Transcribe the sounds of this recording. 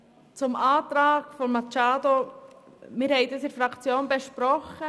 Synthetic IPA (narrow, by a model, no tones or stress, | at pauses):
t͡sʊmɑːt̪ɾɑːɡ̥fɔmmɑt͡ʃɑːd̪o | mɪɾhɛɪd̥əsɪɾfɾɑkt͡sjoːnbeʃpɾɔχə